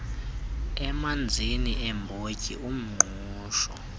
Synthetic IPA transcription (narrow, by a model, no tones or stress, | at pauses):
ɛmand͡zʱiniʔɛmbʱocʼḭum̩ŋ͡ǃuːʃɔ